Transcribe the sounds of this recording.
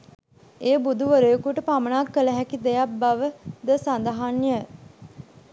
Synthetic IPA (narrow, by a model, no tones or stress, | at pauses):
eːbud̪ʱuʋəɾəjəkuʈəpamənaːkːələɦækid̪ejabaʋəd̪əsand̪əɦanːjə